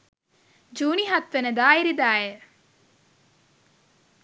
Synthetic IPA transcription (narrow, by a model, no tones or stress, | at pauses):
d͡ʒuːniɦɐt̪ʋenəd̪aːiɾid̪aːje